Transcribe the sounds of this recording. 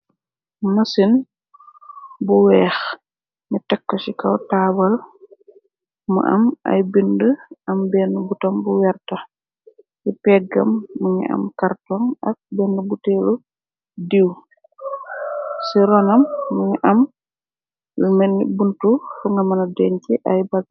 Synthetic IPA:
mɐsin | buwɛːx | ŋitɛkːɔsikɐwtaːbɐl | mṵʔɐ̰ma̰jbindəʔɐmbɛːnubutɔmbuwɛrta | jipɛɡɐ̰mːuɲḭʔɐ̰mkartɔŋɐ̰k̚bɛndubutɛlu | diw | siɾɔnɐmːuɲiʔɐm | lumɛnːibuntufuŋɡɐmɐnɐdɛɲkɛʔɐjbaɡ

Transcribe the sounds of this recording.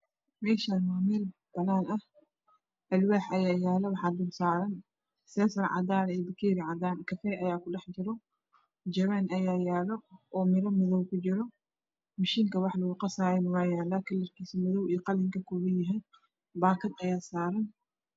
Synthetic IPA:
mɛːʃanmaːmɛːl | b̥ɐnaːnɐh | ʔɐlwaːħɐjaːjaːlɛwɑħɑd̪ʊmsaːɾɐn | sɛːsɐrʕɑ̰d̪aːɾɐiːbɐkʰiːɾɪʕɑd̪aːnkʰɐfɛʔɐjaːkʊɖɛħt͡ʃɪɾɔ | d͡ʒɐwɛnʔɐjaːjaːlɔʔɔːmɪɾɐmɐðɔwkʰʊt͡ʃɪɾɔ | mɐʃiːŋkʰɐwɑħlɐɣʊqɑsaːɾɛnɐwaːjaːlaːkʰɐlɐrkʰiːsimɐðɔwiːqɑlɪŋkʰɐkʰɔːβɐjɐɦɛn | baːkʰɐd̪ɐjaːsaːɾɐn

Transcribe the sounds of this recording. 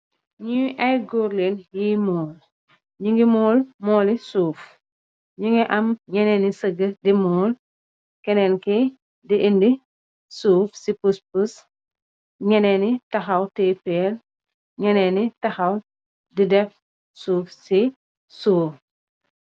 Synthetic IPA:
ɲuʔɐjɡuɾlenjimɔːl | ɲuŋɡimɔːlmɔːlisuːf | ɲuŋɡiʔɐmɲɛnɛnisəɡədimɔːl | kɛnɛnki | diʔindi | suːfsipuspus | ɲɛnɛnitɐxɐwtepɛl | ɲɛnɛnitɐxɐw | didɛf | suːfsi | suːf

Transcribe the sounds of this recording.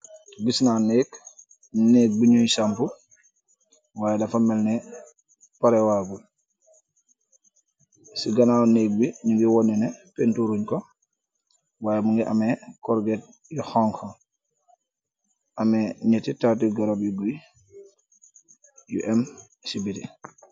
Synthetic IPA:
ɡisnaːneːk | nek̚biɲujsampu | waːjedafamelne | paɾewabu | siɡanaːneːɡ̚biɲuŋɡiwɔnːenepentuɾuɲko | waːjemuŋɡiʔa̰mekɔɾɡet̚ | jixɔŋho | ʔameɲɛtitat̬iɡaɾobiɡui | jṵʔem | sibiti

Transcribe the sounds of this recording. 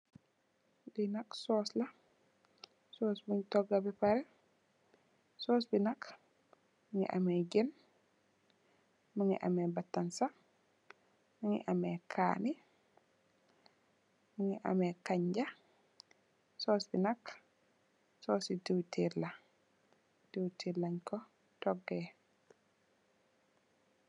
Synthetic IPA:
dinaksɔːslɐ | sɔːsbuɲtɔɡabɛpaɾɛ | sɔːsbinak | muŋḭʔa̰mɛɟɛn | muŋḭʔa̰mɛbatːansa | muŋḭʔamɛkʰa̰ːni | muŋiʔa̰mɛkaɲd͡ʒa | sɔsbinak | sɔsitiwtʰila | dewtʰilaɲkɔ | tɔɡːɛ

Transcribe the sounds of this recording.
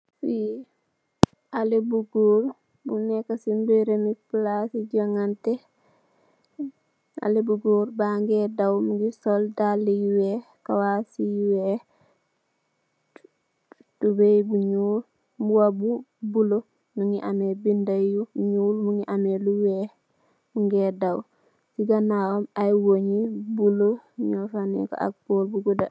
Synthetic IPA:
si | alebuɡol | bunekːasimbeɾemiplasiɟoŋante | a̰lebuɡoːɾbaŋɡedawmɡisoldalːijiwekawasijiwe | d̥ubebuɲul | muwabubulo | nuŋiʔamebindajuɲuːlmuŋɡiʔameluwe | muŋɡeːdaw | siɡanawomajwoɲibuloɲofanḭko̰a̰k̚b̥oːlbuɡuda

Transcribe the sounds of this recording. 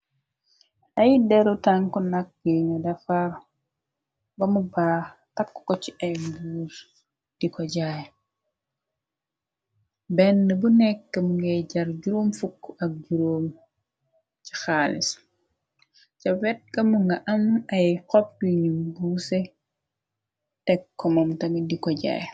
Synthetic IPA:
ʔɐjdɛɾɔtaŋkɔnak̚ːəŋɐdɐfaɾ | bɐmubaː | tɐkːkːɔt͡ʃiʔɐjmbuːɾ | d̥ikɔɟaj | bɛnːəbunɛkːɐmuŋɡɛjɟɐɾɟuɾomfukːɐk̚ɟuɾom | t͡ʃi̥xaːlis | t͡ʃɐwɛt̚kɐmuŋɡɐʔɐmɐjkɔp̚duɲimbusɛ | tɛkːɔmɐmtɐmidikɔɟa̰ːj

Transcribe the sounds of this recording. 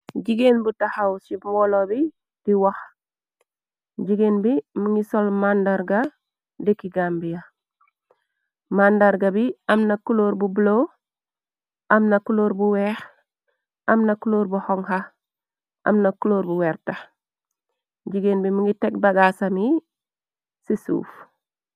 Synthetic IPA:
ɟiɡenbutahawsimɔlobi | d̥iwax | ɟiɡeːnbimuŋɡisolmandaɾɡa | dekiɡaːmbija | mandaɾɡabiɐmnɐkuloːɾbublo | ʔɐmnɐkuloːɾbuweːx | ɐmnɐkuloːɾbuhoŋha | ʔɐ̰mnɐkuloːɾbuwɛːɾta | ɟiɡenbimuŋɡitek̚baɡaːsami | sisṵːf

